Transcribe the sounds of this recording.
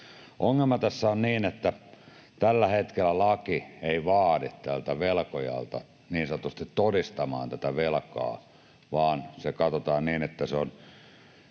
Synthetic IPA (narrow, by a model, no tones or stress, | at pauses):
ʔoŋːelmɑt̪æsːæonniːnet̪ːæ | t̪ælːæhet̪kelːˑælɑkieˑiʋɑːditt̪ælt̪æʋelkojɑ̰lt̪ɑ̰ | niːnsɑnt̪ust̪it̪t̪odist̪ɑmɑ̰ːnt̪æt̪æʋelkɑ̰ː | ʋɑːnsekɑt̪ot̪ɑːnniːnet̪ːæseon